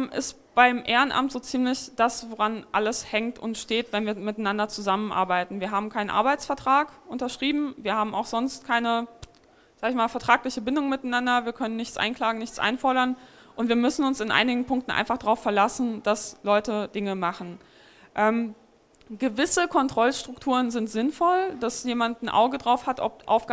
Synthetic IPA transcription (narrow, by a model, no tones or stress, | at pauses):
mʔɪst | b̥aɪmʔeːʁənʔa̰mtz̥oːt͡siːmlɪçd̥asvoʁanʔaləshɛŋktʊ̰ntʃteːtv̥ɛnviːɐmɪtanandɐt͡suzamənʔa̰ɐbaɪtn̩viːɐɦaːbm̩kʰaɪnənʔa̰ɐbaɪt͡sfɛɐtʁ̥aːkʔʊntɐʃʁ̥iːbm̩viːɐhaːbm̩a̰ʊxz̥ɔnst̚kʰaɪnə | z̥aːɡəɪçmaːlfɛɐtʁ̥aːklɪçəbɪndʊŋmɪtanandɐviːɐkʰœnənːɪçt͡sʔa̰ɪnkl̥aːɡŋ̩nɪçt͡sʔa̰ɪnfɔɐɾɐn | ʔʊntv̥iːɐmʏsn̩ʊnsɪnʔa̰ɪnɪɡŋ̩pʰʊŋktn̩ʔa̰ɪnfaχd̥aʁaʊfɛɐlasn̩d̥aslɔʏtəd̥ɪŋəmaχn̩ | ʔɛːm | ɡ̥əvɪsəkʰɔntʁ̥ɔlʃtʁ̥ʊktʰuːʁənzɪntz̥ɪnfɔld̥asjeːmantn̩ʔa̰ʊɡədʁaʊfhatʔɔ̰p̚ʔa̰ʊfɡ